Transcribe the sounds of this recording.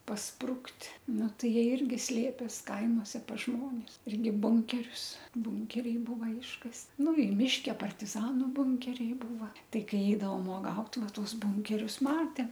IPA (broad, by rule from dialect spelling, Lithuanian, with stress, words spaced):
pɐsˈprʊktʲ ˈnʊ ˈtɐɪ ˈjiɛ ˈɪrʲɡʲɪ ˈsʲlʲeːpʲeːs ˈkɐɪmoːsʲɛ pɐs ˈʒmoːnʲɪs ˈɪrʲɡʲɪ ˈbʊŋʲkʲɛrʲʊs ˈbʊŋʲkʲɛrʲɛɪ ˈbuːʋɐ ˈɪʃkɐst ˈnʊ ɪ ˈmʲɪʃʲkʲɛ pɐrʲtʲɪˈzɑːnʊ ˈbʊŋʲkʲɛrʲɛɪ ˈbuːʋɐ ˈtɐɪ ˈkɐɪ ˈɛɪdɐʋoːm uɔˈɡɐʊt ˈʋɑːˈtuɔs ˈbʊŋʲkʲɛrʲʊs ˈmɑːtʲɛm